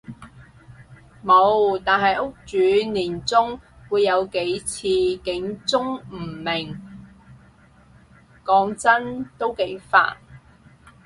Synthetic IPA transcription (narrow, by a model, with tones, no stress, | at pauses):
mo˨˧wt̪aː˨nɦɐ˨jʔʊ˥k̚t͡ʃyː˨˥niː˨˩nt͡sʊ˥ŋwuː˨˧jːɐ˨˧wke˨˥jt͡sʰiː˧kɪ˨˥ŋt͡sʊ˥ŋm̩˨˩mɪ˨˩ŋ | kɔː˨˧ŋt͡sɐ˥nt̪o˥wke˨˥jfa̰ː˧t̚